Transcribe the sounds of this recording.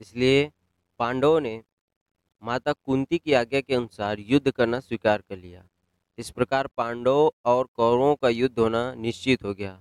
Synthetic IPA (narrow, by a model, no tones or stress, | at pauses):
ɪslie | pãːɳɖoone | maːt̪akʊ̃ːnt̪ikiaːɡjakeɐnʊsaːɾjʊd̪ʱːkɐɾnaswikaːɾkɐɾlija̰ː | ɪspɾɐkaːɾpãːɳɖoɔːɾkɔːɾõkajʊd̪ʱːɦoːnanɪʃt͡ʃɪt̪ɦoɡɐjaː